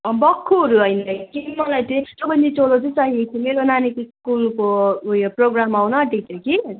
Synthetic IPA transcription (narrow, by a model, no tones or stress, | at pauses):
bʌkʰːoɦʌɾuɦʌjnʌkimʌlajt͡sʌĩsʌbʌnd̪it͡solot͡sʌĩsʌɦiet̪ʰimeɾonanikskulkojoproɡramawnʌːʈik̚t͡sʰʌki